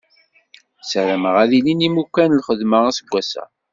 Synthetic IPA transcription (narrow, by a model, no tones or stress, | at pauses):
səɾəməʁæðilinimukːænlχəðməʁæsəɡʷːæsæ̰